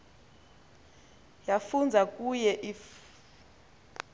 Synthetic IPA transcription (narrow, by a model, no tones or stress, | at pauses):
jafund͡zʱak̬ʼujɛʔif